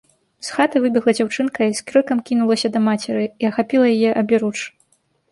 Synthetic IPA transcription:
sxat̪ɨvɨbʲɛɣlˠɐd͡zʲawt͡ʂɨnkɐiskɾɨkɐmkʲinulˠɐsʲɐd̪ɐmat͡sʲɛɾɨiɐxapʲilˠɐjajɛʔɐbʲiɾut͡ʂ

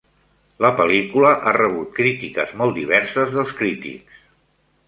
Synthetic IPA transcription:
ləpəlikuləʔarəβ̞ut̪̚kɾit̪ikə̰zmɔlˠd̪iβ̞ɛɾsəzðəlˠskɾit̪ḭks

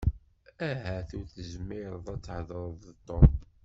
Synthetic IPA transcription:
æɦæθʊɾθəzmɪɾˤðˤæt͡sːhðɾˤðˤət̪ˤːo

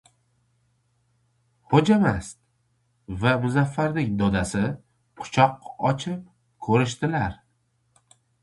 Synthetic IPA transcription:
hod͡ʒamast̪̚ | vamʊzafːaɾnɪŋd̪ɒd̪asɪ | qʰʊ̥t͡ʃʰɒqɒt͡ʃʰɪp̚ | kʰɵɾɪʃt̪ɪlaɾ

